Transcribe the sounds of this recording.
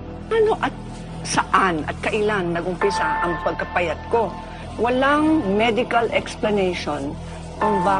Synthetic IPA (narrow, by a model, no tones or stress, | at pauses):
ʔanoʔɐt̪̚ | sɐʔanʔɐ̰t̪̚kɐʔɪlanːɐɡʊmpɪsaʔɐŋpɐɡ̚kɐpɐjɐt̪̚ko̞ | wɐlaŋmɛd̪ɪkɐlɛksplɐnɛjʃon | ʔɐŋba